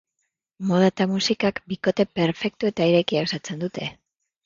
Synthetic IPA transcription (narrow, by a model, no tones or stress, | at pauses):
mo̞ð̞at̪amusikakbiko̞t̪e̞pe̞ɾfe̞k̚t̪ue̞t̪aiɾe̞kiawsat͡se̞nd̪ut̪e